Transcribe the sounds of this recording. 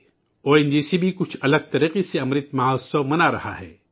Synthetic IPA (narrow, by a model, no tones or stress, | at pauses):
oːend͡ʒiːsibʱikʊt͡ʃʰɐləɡ̚t̪ɐɾiːqeseɐmɾɪt̪maɦasɐmɐnaɾɐha̰ɦɛ̰ː